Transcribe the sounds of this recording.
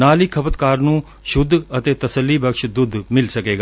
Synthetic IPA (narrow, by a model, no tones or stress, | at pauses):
naːliːkʰəpət̪kaːɾnũː | ʃʊd̪ʱːət̪eːt̪əsəlːiːbəkʃd̪ʊd̪ʱmɪlsəkeːɡaː